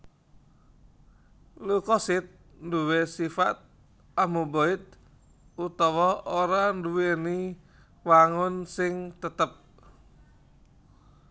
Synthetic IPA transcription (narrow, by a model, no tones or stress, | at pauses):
lukɔsɪt̪̚ | nduwesifa̰t̪̚ | amuboɪt̪̚ | ut̪ɔwɔoɾanduweni | waŋʊnsɪŋt̪ət̪əp̚